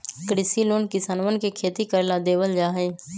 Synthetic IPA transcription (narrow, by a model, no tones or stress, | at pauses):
kɾɪsiloːnkɪsaːnʋənɪ̆kʰeːkʰeːt̪ikəɾlad̪eːʋəld͡ʒaːɦeː